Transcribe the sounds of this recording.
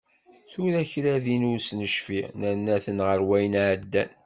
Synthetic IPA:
θʊɾæçɾæðinusnəʃfiʁnænːæθənʁəɾwæjənʕəd̪ːæn

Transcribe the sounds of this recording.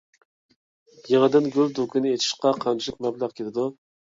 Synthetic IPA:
jeʁəd̪ɪnɡʲyld̪ukʲʰinɪet̪ʰi̥ʃqɑqʰɑnt͡ʃʰiɪqmɛblæqkʲʰelɪd̪u

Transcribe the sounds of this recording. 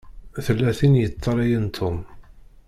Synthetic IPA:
θəlːæθinjət͡sːɑɾˤɑjənt̪ʰʊm

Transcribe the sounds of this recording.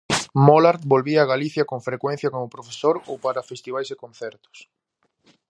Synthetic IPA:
molaɾt̪̚bolβiaːɣaliθjɐkoŋfɾekwen̟θjɐkomʊpɾofe̥soɾowpaɾɐfest̪iβajsɪkõn̟θɛɾt̪ʊ̥s

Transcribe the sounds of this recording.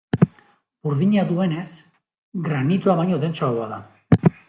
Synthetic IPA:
uɾðiɲat̪ue̞ne̞s | ɡɾanit̪uaβajɲoðe̞nt͡ʃooaða

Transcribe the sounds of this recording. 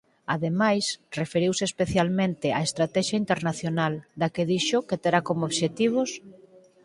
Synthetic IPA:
aðemajsrefeɾiwsespeθjalmẽnt̪ɪaest̪ɾat̪ɛʃaint̪eɾnaθjonald̪akeðiʃoket̪eɾakomooβʃet̪iβ̞os

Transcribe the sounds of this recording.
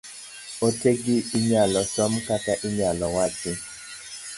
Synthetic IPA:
oteɡɪːɲalɔsɔmkataʔɪɲalɔwatɪ

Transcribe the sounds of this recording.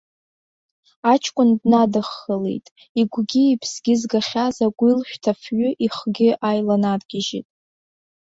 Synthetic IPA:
at͡ʃʰkʷʼʊndnadɨχːəlḛjtʼ | iɡʷɡʲɪipʰsɡʲɪzɡaχʲazaɡʷilʃʷᶣtʰafɥʊʔiχɡʲɪʔajlanarɡ̥ʲɪʒḭtʼ

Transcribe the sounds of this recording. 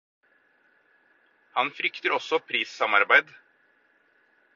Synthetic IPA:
hɑnfɾʏkt̪əɾɔsɔpʰɾiːsɑmɑɾbæɪd̪

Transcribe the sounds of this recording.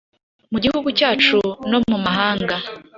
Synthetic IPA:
muɟihuɡucaːt͡ʃuno̞mumaɦaːŋɡa

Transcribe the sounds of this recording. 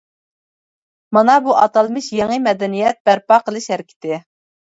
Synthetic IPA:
mɑnɑbuʔɑt̪ɑlˠmɨʃjeŋəmɛd̪ɛnijɛt̪̚b̥æɾpɑqʰəlˠɨʃhæɾɪkʲʰɪ̥t̪ɪ

